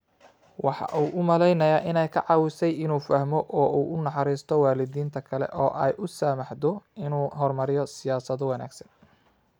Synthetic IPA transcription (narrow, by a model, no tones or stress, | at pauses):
wɑħɑ̰ʔuːʔʊmɐlɛjnɐjaːʔɪnɛjkʰɐʕɑwɪsɛjɪnuːfɐhmɔʔɔːuːʔʊnɑħɑɾiːst̪ʰɔwaːlɪðiːnt̪ʰɐkʰɐlɛ̰ʔɔːʔɛjʔʊsɐmɑħd̪ɔɪnuːɦɔrmɐɾɪjɔsɪjaːsɐðɔwɑna̰ːɡsɐ̥n